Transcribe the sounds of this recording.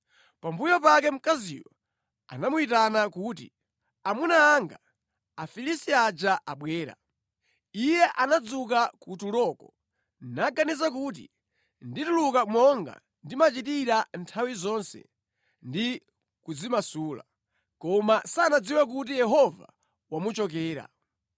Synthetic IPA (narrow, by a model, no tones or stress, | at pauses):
pambujɔpak̬ɛm̩kazḭwɔ̰ | a̰namuitanakuːti | amunaːŋɡa | afilisiad͡ʒaʔaɓwɛːɾa̰ | ijɛʔanad͡zuk̬akutulɔkɔ | naɡanizakuːt̬ḭ | nditulukamɔŋɡa̰ | ndimat͡ʃitiɾantʰawizɔnsɛ̰ | ndi | kud͡zimasuːla̰ | kɔmasanad͡ziwak̬ut̬ijɛɦɔva̰ | wamut͡ʃɔk̬ɛːɾa̰